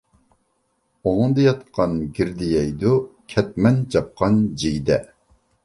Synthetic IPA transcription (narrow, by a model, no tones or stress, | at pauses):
oŋəŋd̪ɨjɑt̪qʰɑnɡʲiɾd̪ijɛjd̪ukʲʰɛt̪̚mɛnd͡ʒɑp̚qʰɑnd͡ʒiɡʲd̪ɛ